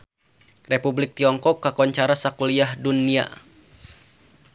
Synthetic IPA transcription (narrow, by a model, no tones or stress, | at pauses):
republɪk̚t̪iɔŋkɔkːakɔɲt͡ʃaɾasakuliahdunːia̰